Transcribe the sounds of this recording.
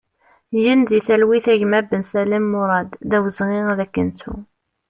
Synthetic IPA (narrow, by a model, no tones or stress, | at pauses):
jənðiθælwiθæʝmæbənsælemːʊɾˤɑd̪ðæwəzʁiʁðækːənt͡sṵ